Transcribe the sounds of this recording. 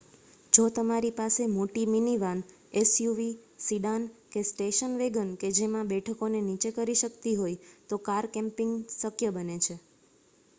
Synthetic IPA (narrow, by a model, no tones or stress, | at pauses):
d͡ʒot̪əmaɾipasemoʈiminiʋan | esjuʋisiɖankesʈeʃənʋeɡənked͡ʒemãbɛʈʰəkonenit͡ʃekəɾiʃəkt̪iɦojt̪okaɾkɛ̃mpɪŋɡsəkʰjəbənet͡ʃʰe